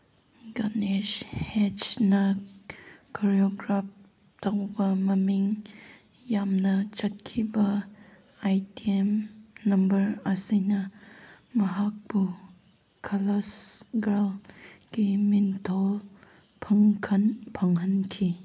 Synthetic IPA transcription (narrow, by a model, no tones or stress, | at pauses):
ɡaneʃhet͡ʃnɐ | kʰaɾioɡɾap̚ | tɐwbɐmɐmiŋ | jamnɐt͡ʃɐt̚kʰibɐ | ajtiemnɐmbɐɾɐsinɐ | mɐɦak̚bu | kʰɐlɐsɡalɡimintʰɔl | pʰɐŋkʰɐnpʰɐŋɦɐnkʰi